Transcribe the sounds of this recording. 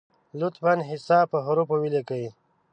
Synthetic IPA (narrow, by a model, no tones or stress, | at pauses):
lut̪fanɦisaːpəɦuɾupowilekəi